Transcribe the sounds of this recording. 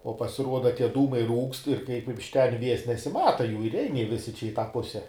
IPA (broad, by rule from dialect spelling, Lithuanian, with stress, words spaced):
oː pɐsʲɪˈruɔdɐ ˈtʲiɛ ˈduːmɐɪ ˈruːkst ɪr kɐɪp ɪʃ ˈtʲɛn ˈʋʲiɛs nʲɛsʲɪˈmɑːtɐ ˈjuː ɪr ˈɛɪn ˈjiɛ ˈʋʲɪsʲɪ t͡ʃʲɛ ɪ ˈtɑː ˈpʊsʲɛ